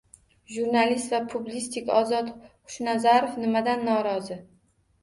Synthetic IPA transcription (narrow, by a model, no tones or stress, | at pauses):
ʒuɾnalist̪vapʰʊblist̪ʰikʲɒzɒt̪χʊ̥ʃnazaɾofnɪmad̪anːɒɾɒzɪ